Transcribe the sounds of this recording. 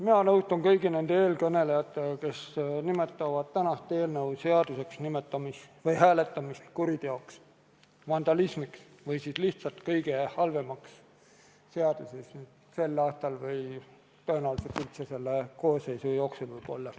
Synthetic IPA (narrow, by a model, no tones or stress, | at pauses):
minɑnɤwst̪ɑnkɤjɡine̞nd̪̥ee̞ːlkɤne̞lejɑt̪ːˑeke̞snimet̪ːˑɑvɑd̪̥̚t̪ːænɑst̪ˑeːlnɤuwse̞ɑd̪̥use̞ksnimet̪ːˑɑmisvɯjɦæːle̞t̪ːˑɑmist̪kuɾid̪̥e̞oks | vɑnd̪̥ɑlismiks | vɤjsiːsliht̪sɑlt̪kɤjɡ̥e̞hɑlve̞mɑks | seɑd̪̥usesnd̪̥ | se̞lːɑːst̪ɑlvɤj | t̪øːnɑluset̪ylt̪sese̞lːeko̞ːsːe̞jsujo̞ːksulvɤjb̥o̞̰lːɑ